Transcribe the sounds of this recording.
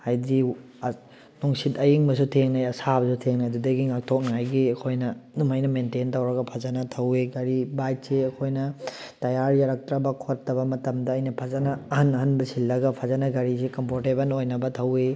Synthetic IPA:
hajdi | nuŋsitɐjiŋbɐs̬utʰeŋnajɐsabɐsutʰeŋnajdudɐɡiŋak̚tʰok̚najɡiɐkʰojnɐnumajnɐmententɐwɾɐɡɐpʰazanɐtʰɐweɡɐɾibajt̚seɐkʰojnɐtɐjaɾjaɾɐk̚tɾɐbɐkʰotːɐbɐmɐtɐmdɐːjnɐpʰazɐnɐːhɐnɐɦɐnbɐsilːɐɡɐpʰazanɐɡɐɾisikɐmpʰoɾtebɐnojnɐbɐtʰɐwe

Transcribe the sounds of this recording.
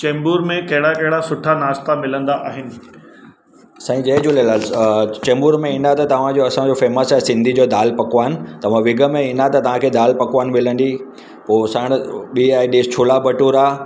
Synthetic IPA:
t͡ɕẽːmbuːɾmẽkɐɦɪɽakɐɦɪɽasʊʈʰanaːst̪ʰamɪlə̃nd̪aʔaːɦɪnɪ̆ | saːĩd͡ʑɐɦɪd͡ʑulelaːlt͡ɕɛ̃ːmbuːɾmẽĩːnd̪at̪ɐt̪ɐʋ̤ãd͡ʑoːɐsãd͡ʑoːfeːməsɛsɪ̃nd̪ʱid͡ʑoːd̪aːlpɐkʋaːɪnɪ̆t̪ɐʋ̤ãʋɪɡʱə̆mẽĩnd̪at̪ɐt̪ɐʋ̤ãkʰeːd̪aːlpɐkʋaːnɪ̆mɪlə̃nd̪iː | poːsaːɽ̃ɓiːaːiɖiːst͡ɕʰʊːlabɐʈuɾaː

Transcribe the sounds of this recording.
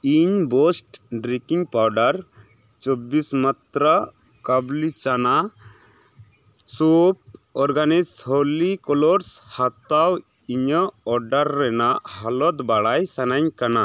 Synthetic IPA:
iɲbɔsʈɖɾikiŋpawɖaɾ | t͡ʃɔbismat̪ɾa | kablit͡ʃana | sup̚ɔɾɡanisholikɔlɔɾshat̪aw | iɲəɔɾɖaɾːɛnaʔhalɔt̪baɽajsanaɲkana

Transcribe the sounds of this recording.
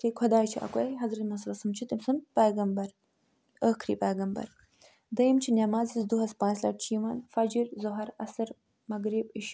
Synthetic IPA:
kekʰɐd̪aːt͡ʃʰiʔɐ̰kɐjɦɐzɾɐt̪mɐsɾɐsɐmt͡ʃʰit̪imsɐmpeːɡɐmbɐɾ | əkʰɾḭpeːɡɐmbɐ̰ɾ | d̪ɐjimt͡ʃʰinamaːzizd̪uɦɐspãːnslɐ̰ʈ̚t͡ʃʰiːmaːnfɐd͡ʒiɾzoɦɐɾɐsɐɾ | mɐɡɾibiʃ

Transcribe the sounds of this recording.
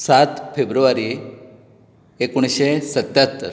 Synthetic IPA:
sat̪febɾuʋaɾi | ekuɳ̃ɕesət̪ːjat̪ːəɾ

